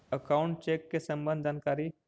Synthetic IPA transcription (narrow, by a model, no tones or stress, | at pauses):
əkauɳʈ̚t͡ʃekːesə̃mbə̃nd̪d̪ʱankaɾi